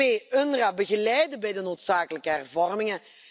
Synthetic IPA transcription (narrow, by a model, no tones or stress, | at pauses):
eːønrabəɣəlɛjdəbɛjdənoːtsaːkələkəɦɛrvɔrmɪŋə